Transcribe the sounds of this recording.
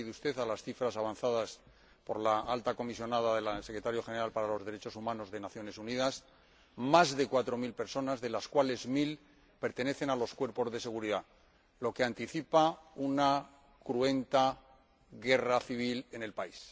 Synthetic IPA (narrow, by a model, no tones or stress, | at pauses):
iðust̪e̞θalasθifɾasaβ̞anθaðas | po̞ɾlaalt̪ako̞misjo̞naðaðe̞lsekɾe̞t̪aɾjo̞xe̞ne̞ɾalpaɾalo̞zðe̞ɾe̞t͡ʃo̞sumãno̞zðe̞naθjo̞ne̞suniðas | mazðe̞kwat̪ɾo̞milpe̞ɾso̞nazðe̞laskwale̞zmil | pe̞ɾt̪e̞ne̞θe̞nalo̞skwe̞ɾpo̞zðe̞se̞ɣuɾiða | lo̞ke̞ant̪iθipauna | kɾue̞nt̪a | ɣe̞raθiβ̞ile̞ne̞lpais